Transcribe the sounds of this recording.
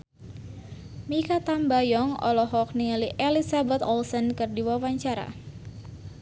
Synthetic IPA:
mikat̪ambajɔŋɔ̰lɔɦɔk̚niŋəliʔelisabɛt̪ɔlsənkɨrdiwawaɲt͡ʃaɾa̰

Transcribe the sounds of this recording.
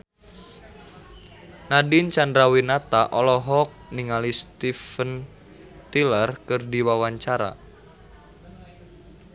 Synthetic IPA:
nadint͡ʃandɾawinat̪aʔɔlɔɦɔk̚niŋalist̪ifən | t̪ilərkɨrdiwawaɲt͡ʃaɾa̰

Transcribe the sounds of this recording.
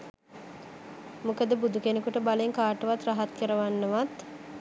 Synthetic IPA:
mukəd̪əbud̪ukenekuʈəbaleŋkaːʈəʋat̪raɦat̪kəɾəʋanːəʋat̪

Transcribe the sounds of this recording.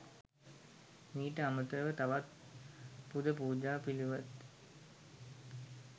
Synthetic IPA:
miːʈəamət̪əʋət̪aʋat̪̚ | pud̪əpuːd͡ʑaːpiluʋət̪

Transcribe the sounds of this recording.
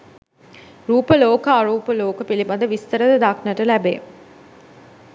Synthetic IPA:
ɾuːpəloːkaːɾuːpəloːkəpilibad̪əʋist̪əɾəd̪əd̪aknəʈəlæbḛː

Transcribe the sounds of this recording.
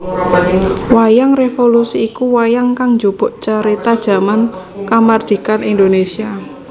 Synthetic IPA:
wajaŋrefolusiːkuwajaŋkaŋɲd͡ʒob̥ɔ̤ʔt͡ʃaɾet̪ad̥ʒ̥a̤man | kamard̪̥i̤kanind̪onesia

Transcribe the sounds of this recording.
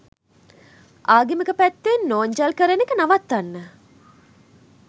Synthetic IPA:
ʔaːɡiməkəpæt̪ːenːoːɲd͡ʒalkəɾənekənaʋat̪ːanːə

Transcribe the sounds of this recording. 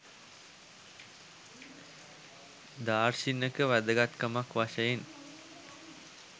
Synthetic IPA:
d̪aːrʃinːəkəʋæd̪əɡat̪kəmakʋaʃəjen

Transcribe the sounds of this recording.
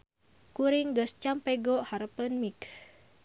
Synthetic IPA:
kuɾiŋɡəst͡ʃampɛɡɔhaɾəpənmik

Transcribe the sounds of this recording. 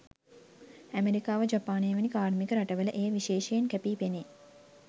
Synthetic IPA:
æmeɾikaːʋəd͡ʒapaːneːʋənikaːɾmikəɾaʈəʋələʔejəʋiʃeːʃejenkæpiːpene

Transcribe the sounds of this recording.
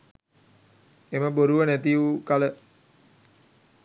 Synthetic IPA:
eməboɾuʋənæt̪iuukalə

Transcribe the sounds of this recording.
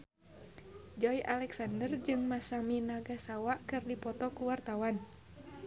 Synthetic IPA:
d͡ʒɔjʔalɛksandərd͡ʒɨŋmasaminaɡasawaʔkɨrdipɔt̪ɔkuwart̪awan

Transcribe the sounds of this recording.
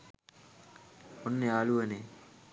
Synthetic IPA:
onːeaːluene

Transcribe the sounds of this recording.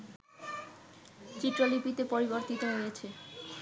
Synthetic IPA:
t͡ɕiʈɾolipit̪epoɾiboɾt̪it̪oɦojet͡ɕʰe

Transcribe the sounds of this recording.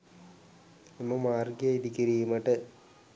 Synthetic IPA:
imːɐmaːrɡɐjeid̪ikːiɾijumɐʈːɨ

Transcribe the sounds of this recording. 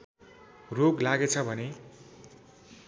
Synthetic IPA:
roɡlaɡet͡sʰʌbʱʌne

